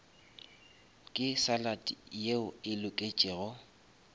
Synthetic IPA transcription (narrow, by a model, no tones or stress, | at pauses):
kʼɪsalatʼḭjeʊɪlʊkʼet͡ʃʼɪːɣɔ